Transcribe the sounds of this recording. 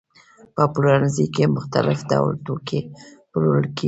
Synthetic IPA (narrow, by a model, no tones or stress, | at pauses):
pəpuɾanzikemʊxt̪alɪfd̪a̰wlt̪okʰepəloəlke